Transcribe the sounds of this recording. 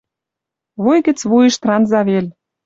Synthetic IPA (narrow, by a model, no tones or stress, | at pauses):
βojɣɘ̆t͡sβujə̆ʃt̪rɑnzɑβelʲ